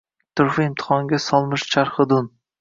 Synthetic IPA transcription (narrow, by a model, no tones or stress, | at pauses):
t̪ʰʊɾfɪɪmt̪ʰɪ̥χɒŋɡʲasɒlˠmɪʃt͡ʃʰaɾχɨd̪ʊn